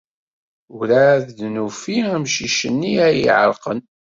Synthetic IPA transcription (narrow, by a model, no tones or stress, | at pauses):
ʊɾaððnufiæmʃiʃənːiæjḭʕə̰ɾˤqən